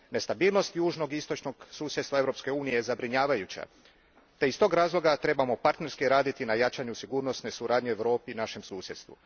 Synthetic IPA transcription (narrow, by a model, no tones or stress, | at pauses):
ne̞st̪abiːlˠno̞st̪juːʒno̞ɡist̪ot͡ʃno̞ɡsuːsʲjet̪st̪ʋae̞vɾo̞pske̞uːnijezabɾiɲaːʋajut͡ɕa̰ | t̪e̞ist̪o̞ɡɾaːzlˠo̞ɡat̪ɾe̞bamo̞paɾt̪ne̞ɾskiɾaːd̪it̪inajat͡ʃaɲusiɡuːɾno̞sne̞suɾaːd̪ɲeeʋɾo̞ːpinaʃe̞msuːsje̞t̪st̪ʋṵ